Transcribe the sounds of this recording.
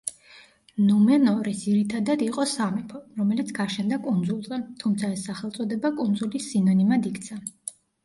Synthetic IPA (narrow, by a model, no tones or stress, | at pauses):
nɔmɛnɔɾisd̥̪iɾit̪ʰad̪ad̪iqʼɔsamɛpʰɔɾɔmɛlit̪sʰɡ̥aʃɛnd̪akʼund̪zulˠzɛt̪ʰumt̪sʰaɛsːaχɛlˠt̪sʼɔd̪ɛbakʼund̪zulisːinɔnimad̪ikʰt̪sʰa